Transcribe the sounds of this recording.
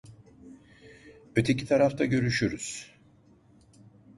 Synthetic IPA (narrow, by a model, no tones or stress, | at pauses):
øt̪ʰe̞cit̪ʰaɾaft̪ʰaɟø̞ɾyʃyɾyz̥